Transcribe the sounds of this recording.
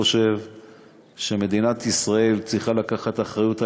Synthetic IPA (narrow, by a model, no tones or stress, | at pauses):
oʃe̞v | ʃe̞me̞d̪inat̪isʁae̞lt͡sʁiχalakaχat̪aχʁajut̪a